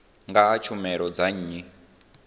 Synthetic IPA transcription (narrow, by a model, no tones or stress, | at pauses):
ŋɡaːt͡ʃʰumɛɾɔd͡zaɲɲi